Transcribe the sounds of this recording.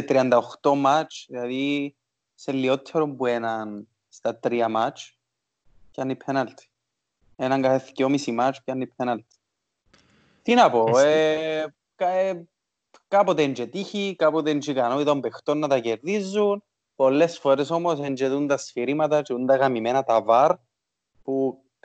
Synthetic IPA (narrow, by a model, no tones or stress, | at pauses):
et̪ɾiɐnd̪ɐoxt̪o̞mat͡ʃðilɐði | selːio̞t̪ʰːeɾombue̞nɐn | st̪ɐt̪ɾiɐmat͡ʃ | canːipʰenɐlt̪i̥ | enɐŋɡɐfeθi̥ciomisimat͡ʃcɐnːipʰːenɐlt̪i̥ | t̪inɐpo̞e | ke | kɐpot̪eend͡ʒet̪içikapot̪eend͡ʒikɐnoit̪ɐmbext̪onːɐt̪ɐceɾðizːun | po̞lːe̞sfo̞ɾeso̞mo̞send͡ʒeðunt̪ɐsfiɾimɐt̪ɐt͡ʃiund̪ɐɣɐmimenɐt̪ɐvɐɾ | pu